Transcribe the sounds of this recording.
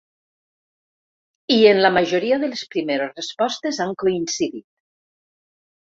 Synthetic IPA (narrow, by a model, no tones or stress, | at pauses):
ienlamaʒoɾiaðelespɾimeɾosrespɔst̪ezaŋkoinsiðit̪̚